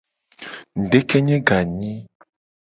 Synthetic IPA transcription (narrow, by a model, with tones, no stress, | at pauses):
n̩˨ɖe˦kɛ˦ɲẽ˦ɡa˨ɲĩ˦